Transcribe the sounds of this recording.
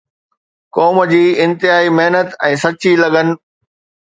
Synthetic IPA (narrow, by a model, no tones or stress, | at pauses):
kɔːm̆d͡ʑiːɪ̃nt̪ɪɦaːimeɦnət̪ɛ̃ːsɐt͡ɕilɐɠənɪ̆